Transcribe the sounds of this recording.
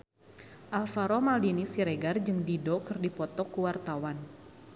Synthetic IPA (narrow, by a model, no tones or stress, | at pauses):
ʔalfaɾɔmaldinisiɾeɡard͡ʒɨŋdidɔkɨrdipɔt̪ɔkuwart̪awan